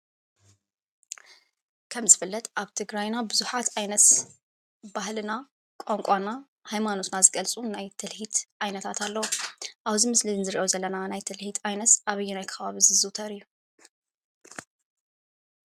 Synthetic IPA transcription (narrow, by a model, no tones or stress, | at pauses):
kʰɐmzɨfɨlːɐt̪ʼʔaβt̪ʰɨɡɾajnabɨzuħat̪ʔajnɐt̪ | bahlɨna | kʷʼoŋkʷʼana | hajmano̞t̪nazɨɡɐlt͡sʼunajt̪ʰɨlhit̪ʔajnɐt̪ʰat̪ʰalːɐwoʔaβzimɨslinzɨɾiʔozɐlːɐnanajt̪ʰɨlhit̪ʰajnɐt̪ʔaβɨjːunajkʰɐβaβizɨzɨt̪ʰɐɾɨjːu